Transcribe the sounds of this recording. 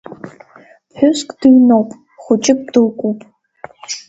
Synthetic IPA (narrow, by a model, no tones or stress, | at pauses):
ħʷᶣʊskʷʼd̥ɨɥnowpʼ | χʷʊt͡ʃʼɪp̚d̥ɨlkʷʼupʼ